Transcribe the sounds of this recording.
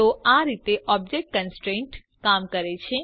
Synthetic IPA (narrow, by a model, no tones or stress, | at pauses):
oaɾit̪eʔɔb̚d͡ʒek̚ʈ̚kənsʈɾẽɳʈ | kamkəɾet͡ʃʰe